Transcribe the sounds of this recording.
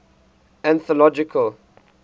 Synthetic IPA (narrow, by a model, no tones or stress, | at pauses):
æ̃nθɔlɔd͡ʒɪkʰəl